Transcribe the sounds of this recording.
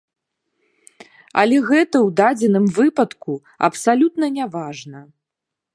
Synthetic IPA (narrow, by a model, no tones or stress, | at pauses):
ɐ̰lʲɛɣɛt̪ɐwd̪ad͡zʲɛnɨmvɨpɐt̪ku | ɐ̰psalʲut̪nɐnʲavaʐnɐ